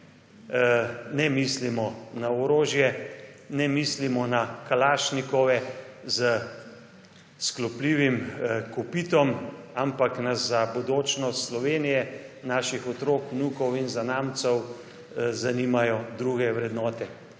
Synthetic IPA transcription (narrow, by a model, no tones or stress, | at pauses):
nɛmislimɔnaɔɾoːʒjɛnɛmislimɔnakalaːʃnikɔʋɛzə | sklɔpliːʋimkɔpit̪ɔmampaknaszabod̪oːt͡ʃnɔst̪slɔʋeːnijɛnaːʃixɔt̪ɾoːknuːkɔwinzanaːmt̪sɔw | zaniːmajɔd̪ɾuɡɛʋɾɛd̪nɔːt̪ɛ